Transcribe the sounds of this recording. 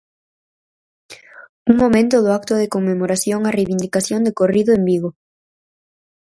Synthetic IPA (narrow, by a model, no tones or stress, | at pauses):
uŋmomẽnt̪oðʊak̚t̪oðekoŋmːemoɾaθjoŋarejβind̪ikaθjond̪ekoriðoembiɣ̞o